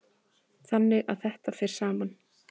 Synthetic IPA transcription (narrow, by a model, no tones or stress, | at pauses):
θanːɪɣa̰ðθɛht̪afɪɾ̥saːmanː